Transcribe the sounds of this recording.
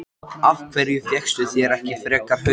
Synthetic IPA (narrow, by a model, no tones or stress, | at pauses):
avkʰvɛɾjʏfjɛkst̪ʏθjɛɾɛhcɪfɾɛːkapʏ